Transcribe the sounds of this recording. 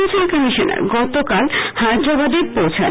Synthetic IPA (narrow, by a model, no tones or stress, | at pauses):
sankəmiʃona̰ɾɡɔt̪okalhad̪ɾabad̪eɾpowt͡ɕʰen